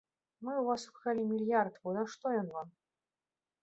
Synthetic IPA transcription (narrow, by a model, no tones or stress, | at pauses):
mɨwvasupkalʲimʲilʲjart̪vɔj̪ɐʂt̪ɔjɔnvam